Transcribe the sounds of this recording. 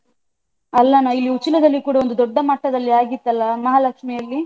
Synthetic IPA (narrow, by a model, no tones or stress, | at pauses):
ɐlːɐnɐilːiut͡ʃːilɐd̪ɐlːikuːɽɐo̞nd̪ud̪ɔɖːɐmɐʈːɐd̪ɐlːiaːɡit̪ːɐlːɐmɐɦaːlɐkʂmɛjɐlːi